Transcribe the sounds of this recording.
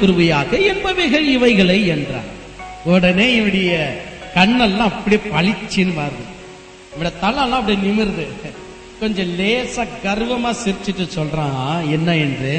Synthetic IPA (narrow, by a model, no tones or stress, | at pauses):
kʊɾɯʋɐjaːɣɐɛnbɐʋɪɣɐɭɪʋɐɪɣɐɭɐɪɛndrã̰ː | ɔɽɐneːɪʋɐɽɐjɐ | kɐɳːɐllãːɐpːɐɽijepɐɭɪt͡ʃːɪnɯʋaːɾðɯ̰ | ɪʋɐɽijɐt̪ɐlːɐ̃lːãːɐpːɐɽijɐnɪmɪɾɯðɯ | kɔɲd͡ʒɔ̃leːsaːɡɐɾʋɐmaːsɪɾt͡ʃːɯʈːɯsɔlrãːɛnːɐɛndrɯ